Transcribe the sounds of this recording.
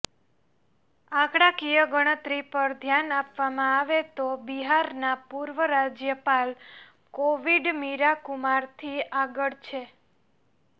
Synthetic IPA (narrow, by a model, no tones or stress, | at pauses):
ãkɽakijəɡəɽ̃ət̪ɾipəɾd̪ʱjanapʋamãaʋet̪obiɦaɾnapuɾʋəɾad͡ʒjəpal | koʋiɖmiɾakumaɾt̪ʰiaɡəɭt͡ʃʰe